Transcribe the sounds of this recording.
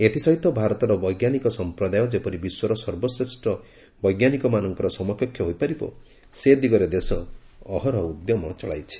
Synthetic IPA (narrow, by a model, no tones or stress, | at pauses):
et̪isɔɦit̪ɔbʱaɾɔt̪ɔɾɔbɔjɡjanikɔsɔmpɾɔd̪ajɔd͡ʒepɔɾibiswɔɾɔsɔɾbɔsɾesʈɔ | bɔjɡjanikɔmanɔŋkɔɾɔsɔmɔkʰɔkʰjɔɦojpaɾibɔ̰ | sed̪iɡɔɾed̪esɔː | ɦɔɾɔud̪jɔmɔt͡ʃɔɭajt͡ʃʰi̥